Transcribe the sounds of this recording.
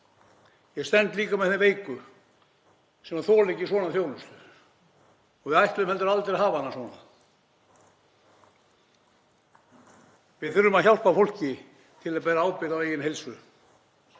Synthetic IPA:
jɛɣst̪ɛnt̪liːkamɛθɪveːjkʏ | sɛmaθɔːlecɪsvɔːnaθjoːwlʏmst̪ʏ | ɔɣvɪðajht̪lʏmhɛlt̪ʏɾalt̪eɾaɦaːvaanːasɔːna | vɪðθʏɾːʏmaðçjawl̥pafowl̥cɪ | t̪ʰɪlaðpɛːɾaaːwpɪɾaweːjɪnɦejlsʏ

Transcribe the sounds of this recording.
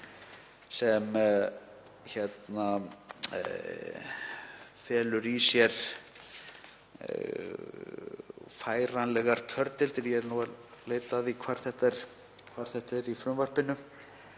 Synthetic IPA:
sɛm | çɛt̪na | fɛːlʏɾisjɛɾ̥ | faːjɾanlɛɣaɾ̥cʰœɾt̪ɪlt̪ɪɾjɛɛɾnualeːjt̪aðikʰvaːɾ̥θɛht̪ɛɾ̥ | kʰvaɾ̥θɛht̪ɛɾifɾʏmvar̥pɪnʏ

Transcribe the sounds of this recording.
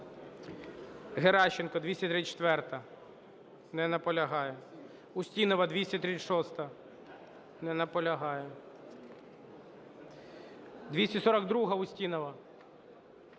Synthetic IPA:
ɦeɾɑʃɪnkɔd̪ʋʲisʲɐt̪ɾit͡ʃt̪ʋɛrt̪ɐ | nɛnɐpɔlʲɐɦɑjɛ | ʊsʲtʲinɔʋɐd̪ʋʲisʲɐt̪ɾit͡sʲʃɔst̪ɐ | nɛnɐpɔlʲɐɦɑjɛ | d̪ʋʲisʲɐsɔɾɐɡd̪ɾuɦɐʊsʲtʲinɔʋɐ

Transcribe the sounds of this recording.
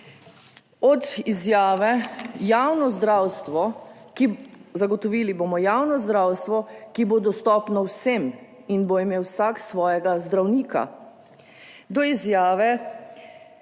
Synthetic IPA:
ɔd̪izjaːʋɛjaːwnɔzd̪ɾawst̪ʋɔ | kizaɡɔt̪ɔʋiːliboːmɔjaːwnɔzd̪ɾaːwst̪ʋɔkibod̪ɔst̪ɔːpnɔwsem | inboimeːwsaksʋɔːjɛɡazd̪ɾawniːka̰ | d̪ɔizjaːʋɛ

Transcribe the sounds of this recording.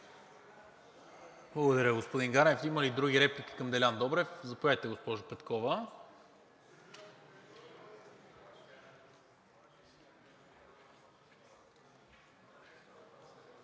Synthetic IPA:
blˠəɡod̪əɾʲəɡospod̪iŋɡaɾɛfiməlid̪ɾuɡiɾɛpliki̥kəmd̪ɛlʲand̪ɔbɾɛfzɐpojat̪ɛɡospɔʒʊpɛt̪kɔvə

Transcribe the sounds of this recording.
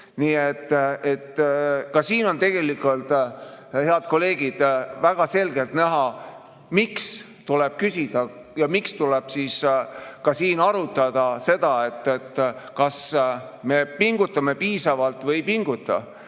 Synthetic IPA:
niːet̪ːˑet̪ːkɑsiːno̞nt̪e̞ɡ̥e̞likˑult̪heɑd̪̥̚ko̞le̞ːɡ̥id̪̥væɡ̥ɑse̞lɡ̥e̞lt̪næɦɑ | miks | t̪ule̞b̥̚kysʲid̪̥ɑ | jɑmikst̪uleb̥siːskɑsiːnɑɾut̪ːˑɑd̪̥ɑse̞d̪̥ɑe̞t̪ːˑet̪ːkɑs | me̞piŋɡ̥ut̪ːˑɑme̞piːsɑvɑlt̪ˑvɤjpiŋɡ̥ut̪ːˑɑ̰

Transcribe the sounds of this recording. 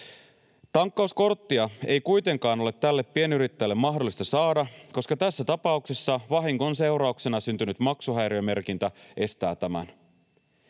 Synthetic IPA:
t̪ɑŋkːɑusko̞rt̪ːiɑe̞jkujt̪e̞ŋkɑːno̞le̞t̪ːælːe̞pːie̞nyɾit̪ːæjlːe̞mːmɑɦdo̞lːˑist̪ɑsɑːdɑko̞skɑt̪æsːæt̪ɑpɑuksesːɑʋɑɦiŋkonse̞wɾɑukse̞nɑsynt̪ynyt̪mɑksuɦæjɾiøme̞rkint̪æʔe̞st̪æ̰ːt̪æmæ̰n

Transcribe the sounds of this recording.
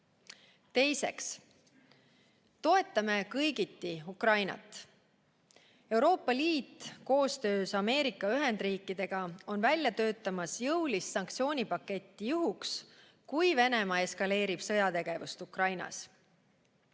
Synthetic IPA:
t̪e̞jse̞̰ks | t̪o̞e̞t̪ːˑɑme̞kɤjɡit̪ːiukrɑjnɑ̰t̪ːˑ | e̞wɾo̞ːpːˑɑliːt̪ːˑko̞ːst̪ø̞ːsɑme̞ːɾikːˑɑyɦe̞nd̪riːkːˑid̪̥e̞ɡ̥ɑo̞nvælʲjɑt̪ø̞ːt̪ːˑɑmɑsjɤwlissɑŋk̚t̪sio̞ːnʲipɑkːe̞t̪ʲːijuɦuks | kujve̞ne̞mɑe̞skɑle̞ːɾib̥sɤ̞jɑt̪e̞ɡ̥e̞vust̪ukrɑjnɑ̰s

